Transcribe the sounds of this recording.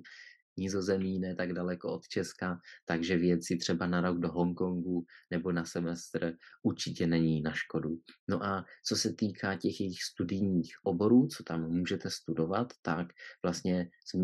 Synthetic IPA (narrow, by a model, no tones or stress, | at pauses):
ɲɪzo̞zɛmɲiːnɛt̪aɡdalɛkoot̪t͡ʃɛskat̪aɡʒɛvjɛt͡sɪt̪r̥ɛbanaɾo̞ɡdo̞ɦo̞ŋko̞ŋɡunɛbo̞nasɛmɛst̪rʔuɾt͡ʃɪcɛnɛɲiːnaʃko̞duno̞ʔat͡so̞sɛt̪iːkʰacɛxjɛjɪxst̪udɪjɲiːxʔo̞bo̞ɾuːt͡so̥t̪amːuːʒɛt̪ɛst̪udo̞vat̪ːakv̥last̪ɲɛz